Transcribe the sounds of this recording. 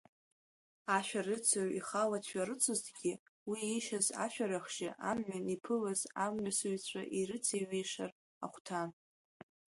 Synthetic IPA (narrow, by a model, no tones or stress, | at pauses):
aʃᶣarɨt͡sʰaɥiχalatʰʷᶣaɾɨt͡sʷʰɨztʰɡʲi | wiiʃaza̰ʃᶣaɾaχʃɪʔamʕanipʰɨlazamʕʷasɨɥt͡ɕʷʰa̰ʔiɾɨt͡sʰiɥejʂar | a̰χʷtʰan